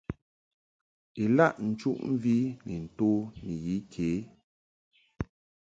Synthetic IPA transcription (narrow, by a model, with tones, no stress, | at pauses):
e˨la˦˨ʔn̩˨t͡ʃu˦ʔm̩˦vi˦nɛ˨n̩˨to˦ni˨ji˨˦kʰe˨˦